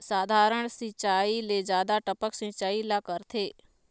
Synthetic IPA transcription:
saːd̪ʱaːɾəɽ̃sĩt͡ʃaːilezjaːd̪aʈəpəksĩt͡ʃaːilakəɾt̪ʰeː

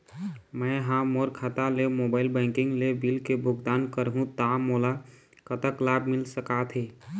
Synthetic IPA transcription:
məɪɦãmoɾkʰat̪alemobaɪlbə̃kiŋɡlebilkebʱʊɡd̪ankəɾɦũt̪amola | kət̪əklabʱmilsəkat̪ʰɦe

